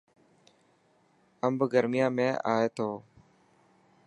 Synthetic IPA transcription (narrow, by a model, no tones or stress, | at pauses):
əmbɡəɾmɪjãːmẽːʔa̰ːeːt̪ʰoː